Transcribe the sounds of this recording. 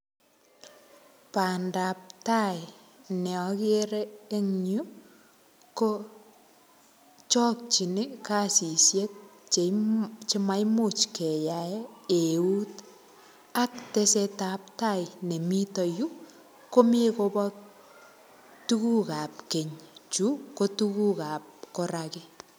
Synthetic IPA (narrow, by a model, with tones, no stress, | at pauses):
pa˨nda˨p̚ta˦j | nɛ˨ɔ˨kɪ˦ɾeː˦ŋɲu˦ | ko˦ | t͡ʃɔ˦k̚t͡ʃi˨nɪ˦ka˦si˨sje˦t̚t͡ʃe˨t͡ʃɪ˦ma˦jmu˨t͡ʃkɛ˨jaee˨u˦t | a˦k̚te˦seta˨p̚ta˦jne˨mi˦tɔ˨ju˦ | ko˦me˦ko˦pɔ | tu˦ku˦ka˨p̚ke˨ɲt͡ʃu˦ko˦tuku˦ka˨p̚ko˦ɾakɪ˦